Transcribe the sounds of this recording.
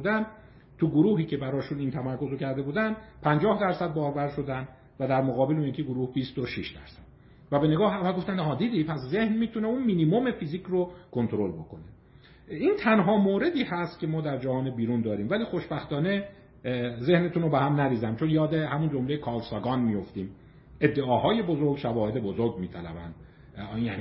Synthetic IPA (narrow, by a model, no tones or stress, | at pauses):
d̪æn | t̪ʰuɡoɾuːɦiːcʰe̞bæɾɒːʃunint̪ʰæmæɾko̞zokcʰæɾd̪e̞buːd̪ænd̪pʰænd͡ʒɒːhd̪æɾsæd̪̚bɒːɾbæɾʃo̞d̪ænd̪ | væd̪æɾmoɣɒːbe̞lunjækʰiɡoɾuːhbist̪oʃiʃd̪æ̰ɾsæd̪̥ | væbe̞ne̞ɡɒːɦævælɡo̞ft̪ænhɒːd̪iːd̪ipʰæszehnmiːt̪ʰuneunminimome̞fiziːcʰrokʰo̞nt̪oɾo̞lbo̞kʰo̞ne | iːnt̪ʰænɦɒːmoːɾe̞d̪iːhæst̪̚cʲʰe̞mɒːd̪æɾd͡ʒæhɒːnebiːɾund̪ɒːɾiːmvæliːxo̞ʃbæxt̪ɒːne | ze̞hne̞t̪ʰunobehæmnæɾiːzæmt͡ʃʰonjɒːd̪e̞ɦæmund͡ʒomle̞jekʰɒːlsɒɡɒːnmijo̞ft̪iːm | e̞d̪ːe̞ʔɒːɦɒːje̞bozo̞ɾɡʃævɒːhed̪e̞bo̞zoɾɡmiːt̪ʰælæ̰bæ̰nd̪ | jæni